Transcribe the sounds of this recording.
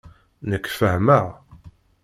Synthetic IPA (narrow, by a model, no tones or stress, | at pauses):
nəkːfəhməʁ